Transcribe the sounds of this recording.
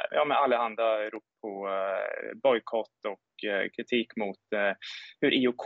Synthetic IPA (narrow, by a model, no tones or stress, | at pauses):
jɑ̰ːmɛalːəhand̪aɾuːppʰɔ | bɔjkʰɔt̪ːɔkkʰɾɪt̪ʰiːkmʊt̪ | hɵɾʔiʊkʰ